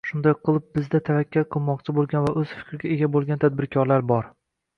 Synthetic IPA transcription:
ʃʊnd̪ajqʰɨlˠɪp̚bɪzd̪at̪ʰavakʲʰːalqʰɨlˠmɒqt͡ʃʰɪbolˠɡʲanvaʔɵz̥fɪ̥kʲɾɪɡʲaeɡʲabolˠɡʲant̪ʰad̪̚bɪɾkʲʰɒɾlaɾbɒɾ

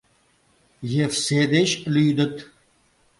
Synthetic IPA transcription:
jefseːd̪eɕluːd̪ət̪

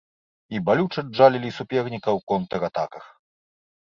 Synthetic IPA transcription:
ibalʲut͡ʂɐd͡ʐalʲilʲisupʲɛrnʲikɐwkɔnt̪ɐɾat̪akɐx

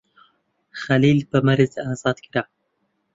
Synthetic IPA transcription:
xalilpəmaɾizazɑt̪̚kiɾa

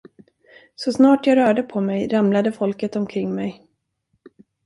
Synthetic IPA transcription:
sɔsnɑːʈjɑɾœːɖəpʰɔmɛjɾamlad̪əfɔlkət̪ɔmkʰɾɪŋːmɛj

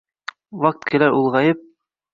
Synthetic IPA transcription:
wɑk̚t̪kʰɘ̆læɾʔulˠʁɑjɤp̚

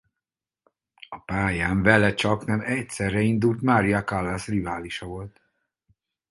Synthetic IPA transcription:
ɒpaːjaːɱvɛlɛt͡ʃɒknɛmɛcsɛrːɛind̪ult̪maːɾijɒkalːasrivaːliʃɒvo̞lt̪

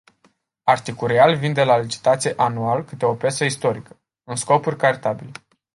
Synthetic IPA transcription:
art̪ikulːealvind̪e̞lalit͡ʃi̥t̪at̪sijeʔanualkɨt̪eo̞pʲe̞səist̪o̞ɾikə̥ | ɨnsko̞purʲkaɾit̪abile

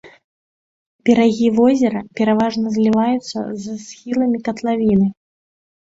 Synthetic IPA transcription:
bʲɛɾaɣʲivɔzʲɛɾɐpʲɛɾavaʐnɐzʲlʲivajut̪sːɐ̰zasxʲilˠɐmʲikɐt̪lˠavʲinɨ

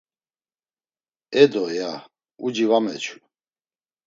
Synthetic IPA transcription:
ɛd̪ɔja | ud͡ʒivamɛt͡ʃʰu̥

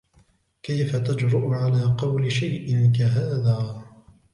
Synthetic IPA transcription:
kajfat̪ad͡ʒɾʊʔʊʕalaːqɑwlɪʃajʔɪnkaɦaːðaː

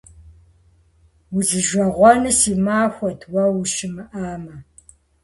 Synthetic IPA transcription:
wuzɨʒʷɐʁʷɔnɨsiːmaːxʷɔtʰwɐwʃɪmɨʔaːmɐ

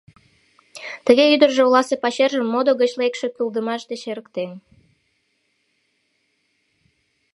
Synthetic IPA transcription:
t̪əɣeyd̪ərʒeulɑsepɑɕerʒəmːod̪oɣət͡ɕlekʃe̽kyld̪əmɑʃd̪eɕeɾəkt̪en

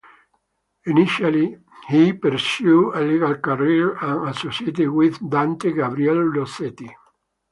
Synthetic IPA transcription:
iniʃali | hipəɾsjuəliɡalkaɾiɹãnasɔset̪iwiðd̪ãnt̪eɡabɾiɛllosɛt̪i

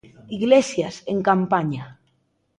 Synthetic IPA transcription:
iɣlesjaseŋkampaɲa

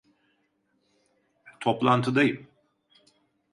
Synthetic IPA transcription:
t̪ʰoplˠant̪ʰɯd̪ajɯm

